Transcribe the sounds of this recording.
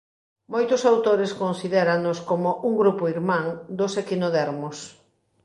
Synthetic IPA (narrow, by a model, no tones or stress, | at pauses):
mojt̪ʊsawt̪oɾeskonsiðeɾannoskomoʔuŋɡɾupoiɾmãŋd̪osekinoðɛɾmos